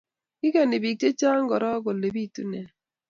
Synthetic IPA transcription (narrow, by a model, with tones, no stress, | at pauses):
ɪ˦kɛ˨nɪ˨bi˨k̚te˦t͡ʃa˦ŋ˦ɡɔ˨ɾɔ˦ɡo˨le˨bi˦˨tu˦nɛ˨